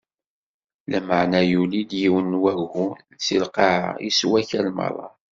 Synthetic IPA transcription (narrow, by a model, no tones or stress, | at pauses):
læmaʕnæjulid̪jiwənwæɡhunt͡silqɑʕa̰jḭswæçælmɑ̰ɾˤɑ̰